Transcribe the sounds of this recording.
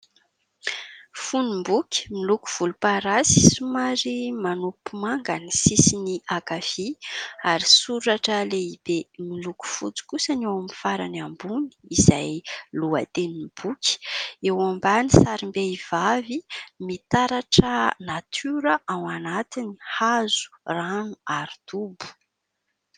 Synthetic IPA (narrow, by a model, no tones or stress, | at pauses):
funimbukʲi̥miluku̥v̥ulupaɾasi̥sumaɾimanupumaŋɡanisisiniakafiaɾisuɾaʈ͡ʂəleib̥emiluku̥fut͡si̥kusənewamifaɾanambuni̥izajluat̪enib̥ukʲi̥ewambanisaɾimbeiv̥avimit̪aɾaʈ͡ʂənat̪ʰyɾəʔawanat̪inihazu̥ranuaɾit̪ubu̥